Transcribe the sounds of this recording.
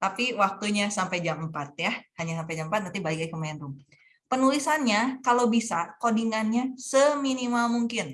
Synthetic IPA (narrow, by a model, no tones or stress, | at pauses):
t̪apiwak̚t̪uɲasampajd͡ʒammpat̪̚jahaɲasampajd͡ʒam̩pat̪nant̪ibalɪkakəmaɛnɾuŋ | pənulisanɲakalobisakodiŋanɲasəminimalmuŋkɪn